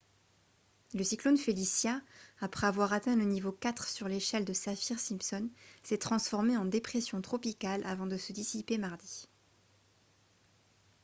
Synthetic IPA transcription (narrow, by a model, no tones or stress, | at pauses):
ləsiklonfelisjaːpχɛavwaʁat̪ɛ̃lənivokat̪χsyʁleʃɛld̪əsafiʁsĩmpsɔnsɛt̪χɑ̃sfɔʁmeɑ̃d̪epχesjɔ̃t̪χɔpikalʔa̰vɑ̃d̪əsəd̪isipemaʁd̪i